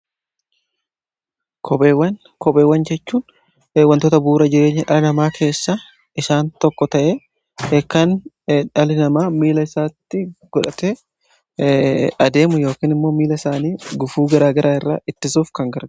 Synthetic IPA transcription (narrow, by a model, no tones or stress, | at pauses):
kʰɔpewɐn | kɔpeːwːɐnd͡ʒɛt͡ʃːuːn | wɐnt̪ot̪ɐbuːɾɐd͡ʒɪɾe̞ːɲːɐᶑɐlɪnɐmaːkʰe̞ːsːa | ɪsaːnt̪ɔkːɔt̪ɐʔe | kːɐn | ᶑɐlɪnɐmaːmiːlɐɪsaːt̪ːɪɡ̥ɔᶑɐt̪ɛ | ɐd̪e̞ːmʊjo̞ːkiːnɪmːo̞ːmiːlɐɪsaːniːɡʊfuːɡɐɾaːɡɐɾʔaːɪrːa̰ːɪt̪ːɪsuːfkɐŋɡɐɾ